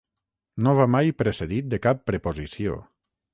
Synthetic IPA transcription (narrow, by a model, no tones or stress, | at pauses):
noβamajpɾeseðit̪̚d̪ekapːɾepozisio̰